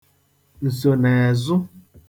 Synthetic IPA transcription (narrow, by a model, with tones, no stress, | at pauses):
n̩˨so˨nɛ˨zʊ˦